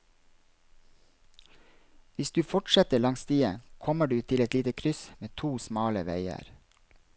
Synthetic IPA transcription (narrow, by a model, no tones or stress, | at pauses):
ʋɪsd̪ʉːfɔʈʃɛt̪əɭɑŋst̪ʰiːəkʰɔməɖʉːt̪ʰɪlɛt̪liːt̪əkʰɾʏsmeːt̪ʰuːsmɑːləʋæ̰ɪə̰ɾ